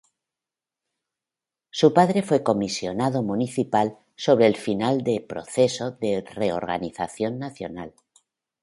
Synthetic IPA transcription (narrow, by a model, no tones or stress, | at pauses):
supaðɾe̞fweko̞misjo̞nað̞o̞mũniθipal | so̞βɾeːlfinald̪epɾo̞̰θe̞so̞ðereo̰ɾɣa̰niθaθjo̞nːaθjo̞̰nal